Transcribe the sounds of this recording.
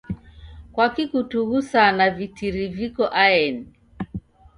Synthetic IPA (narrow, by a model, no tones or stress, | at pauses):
kwakikutuɣusanavitiɾivikɔʔaɛni